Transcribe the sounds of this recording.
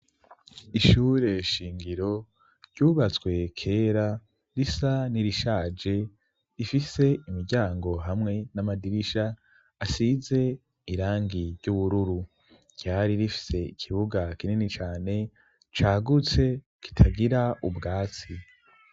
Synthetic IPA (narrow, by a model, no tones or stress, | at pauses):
iʃuːɾe̞ʃiːŋɡiɾo̞ | ɾɟ̥uːβat͡swe̞kʰe̞ːɾa | ɾisaniɾiʃaːd͡ʒe̞ | ifise̞imiɾɟaːŋɡo̞ɦamŋe̞namadiɾiʃaː | size̞ | iɾaːŋɡiɾɟuβuɾuɾu | ɾɟ̥aɾiɾifi̥se̞ikʰiβuɡakininit͡ʃaːne̞ | t͡ʃaːɡut͡se̞ | ki̥tʰaɡiɾaubɡaːt͡si